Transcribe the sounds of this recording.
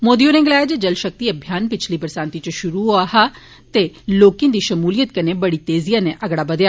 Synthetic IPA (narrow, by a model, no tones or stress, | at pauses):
moːd̪ijoːɾẽːŋɡlaːd͡ʒed͡ʒɐlʃək̚t̪iːɐbʱjaːnpɪt͡ʃʰliːbəɾsãːnt̪it͡ʃəʃʊɾuɦoaːɦaː | t̪eloːkĩd̪iːʃɐmuːlijət̪̚kɐneːbɐɽit̪eːzijãːneʔɐɡɽaːbəd̪jaː